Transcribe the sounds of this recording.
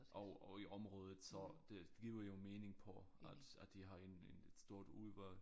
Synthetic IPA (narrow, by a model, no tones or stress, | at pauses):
ʔɒɒiʔɒ̽mʁɔːð̞ˠð̩ˠsɒd̥eɡ̥iːʊɐjo̝me̝ːne̝ŋpʰɒʔæd̥æ̥ːiɦɑ̈e̝nened̥sd̥o̝ɐ̰d̥uðˠʋæ